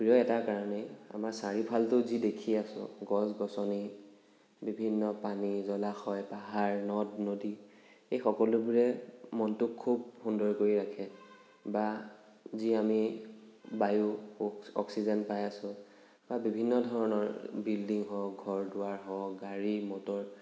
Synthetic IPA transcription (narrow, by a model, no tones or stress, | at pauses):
pɹiɔɛtakaɹɔnɛa̰maɹsaɹipʰaltʊzidekʰiasʊ̰̃ɡɔsɡɔsɔni | bibʱinːɔpanizɔlaxɔjpaɦaɹnɔdnodi | ejxɔkɔlʊbuɹɛmɔntʊkʰːub̚hundɔɹkoɹiɹakʰɛ | ba | ziami | bajʊ | ɔ̰ksizɛnpajasʊ̃ | babibʱinːɔdʱɔɹɔnɔɹbildiŋɦɔɡʱɔɹdʊaɹɦɔɡaɹimɔtɔɹ